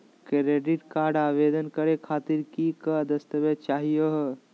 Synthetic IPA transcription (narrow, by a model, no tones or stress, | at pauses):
kɾeːɖiʈkaːɾɖaːʋed̪ənkəɾekʰaːt̪iɾkikəd̪ɐst̪əʋet͡ʃaːɦijoɦ